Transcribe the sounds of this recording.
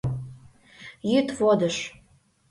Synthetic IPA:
jyt̪vod̪əʃ

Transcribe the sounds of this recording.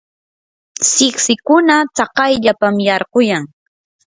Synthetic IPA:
sɪksɪkʊnat͡sɑqɑjʎapamjɑɾɢʊjaŋ

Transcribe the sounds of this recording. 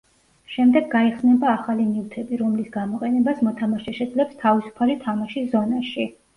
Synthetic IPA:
ʃɛmd̪ɛɡːaiχsnɛbaːχaliniut̪ʰɛbiɾɔmlisɡamɔqʼɛnɛbasmɔt̪ʰamaʃɛʃɛd̪zlɛpst̪ʰavisu̥pʰalit̪ʰamaʃiszɔnaʃi

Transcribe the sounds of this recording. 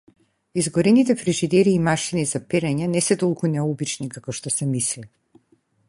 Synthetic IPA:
izɡɔɾɛnit̪ɛpɾɛʒid̪ɛɾiːmaʃinizapɛɾɛɲanɛsɛt̪ɔlˠkunɛubit͡ʃnikakɔʃt̪ɔsɛmisli

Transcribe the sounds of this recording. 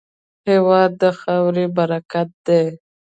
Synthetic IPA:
hewɑd̪ːəxawɾibaɾakat̪̚d̪e

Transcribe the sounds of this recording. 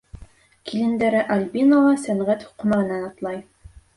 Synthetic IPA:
kʰilɘ̆nd̪æɾɘʔɑlʲbinolˠɑsæɴʁæt̪hu̥qmɑʁɤ̆nænɑt̪lˠɑj

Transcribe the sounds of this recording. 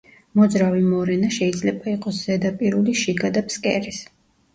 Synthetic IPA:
mɔd̪zɾavimɔɾɛnaʃɛid̪zlɛbaiqʼɔsz̥ɛd̪apʼiɾuliʃiɡad̪apʰskʼɛ̰ɾis

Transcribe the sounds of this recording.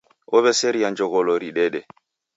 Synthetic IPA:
ɔβɛseɾijand͡ʒɔɡɔloɾiɗɛɗɛ

